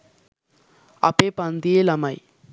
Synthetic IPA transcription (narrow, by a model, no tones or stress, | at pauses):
ɐ̰pepand̪ielɐmaj